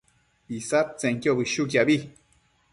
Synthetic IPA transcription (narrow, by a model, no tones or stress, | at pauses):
isap̚t͡sɛ̃ŋkjobiʃuk̬jabi